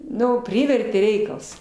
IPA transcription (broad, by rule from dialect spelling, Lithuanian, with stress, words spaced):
ˈnʊ ˈpʲrʲɪʋʲɛrʲtʲeː ˈrʲɛɪkɐlˠs